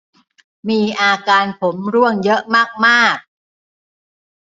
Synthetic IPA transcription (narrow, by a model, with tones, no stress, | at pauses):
miː˧ʔaː˧kaː˧npʰo˩˦mɾu˥˩əŋjɤ˦˥ʔmaː˥˩k̚maː˥˩k̚